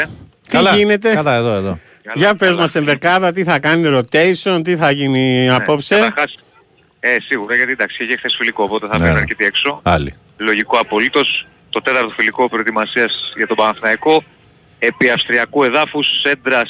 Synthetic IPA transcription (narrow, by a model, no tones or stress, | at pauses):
t̪ilʝine̞t̪e̞ɐlɐeðoeðo | ʝɐpe̞zmɐsenðekɐðɐt̪̬iθɐkɐniɾo̞t̪ejso̞nt̪̬iθɐʝiniɐpo̞psɐet̪ɐɾxɐs | esiɣuɾɐʝɐt̪id̪ɐksi̥çeçexθesfiliko̞ːpo̞t̪eθɐfeɐɾket̪iekso̞ɐlḭ | lo̞ʝikoɐpo̞lit̪o̞s | t̪o̞t̪e̞t̪ɐɾt̪ofiliko̞pɾoet̪imɐsiɐsʝɐt̪o̞bɐɐθnɐiko̞ | e̞piɐfst̪ɾiɐkue̞ðɐfusse̞nd̪ɾɐs